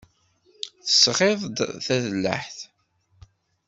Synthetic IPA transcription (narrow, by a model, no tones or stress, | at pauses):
θəsːʁeðˤd̪θæðəlːə̰ħθ